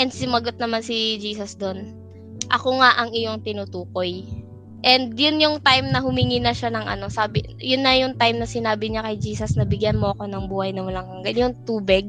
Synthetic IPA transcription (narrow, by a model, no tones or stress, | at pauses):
ʔɛnd̪̚sɪmɐɡo̞t̪̚nɐmansɪd͡ʒiːsɐsd̪o̞n | ʔɐko̞ŋaʔɐŋɪjo̞ŋt̪ɪnut̪uːko̞j | ʔɛnd̪jʊnjʊŋt̪ajmnɐhʊmɪŋiːnɐʃanɐŋʔɐ̰no̞saːbɪ | jʊnːɐjʊŋt̪ajmnɐsɪnaːbɪɲakɐjd͡ʒiːsɐsnɐbɪɡjanmoʔɐko̞nɐŋbuːhɐjnɐmʊlɐŋkɐŋɡɐnjʊŋt̪uːbɪɡ̚